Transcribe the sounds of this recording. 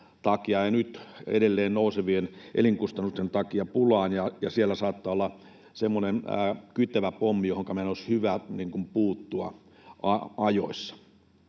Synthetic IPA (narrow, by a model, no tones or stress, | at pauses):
t̪ɑkiɑjɑnyt̪ḛdelːeːnnouseʋienʔḛliŋkust̪ɑnːust̪ent̪ɑkiɑpulɑːnjɑjɑsielːæsɑːt̪ːɑːolːɑ | semːonen̰ːkyt̪ːæʋæpomːijohoŋkɑmenoshyʋæniːŋkumpuːt̪ːuɑ̰ | ɑɑjo̰isːɑ̥